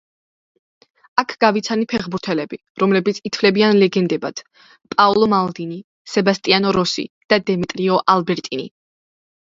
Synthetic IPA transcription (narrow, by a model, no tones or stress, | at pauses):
akʰɡ̥avit̪sʰanipʰɛχbuɾt̪ʰɛlɛbi | ɾɔmlɛbit̪sʰit̪ʰvlɛbianlɛɡɛnd̪ɛbat̪ʰ | pʼaɔlˠɔmalˠd̪ini | sɛbast̪ʼianɔɾɔsḭd̪̥ad̪ɛmit̪ʼɾiɔʔalbɛɾt̪ʼinḭ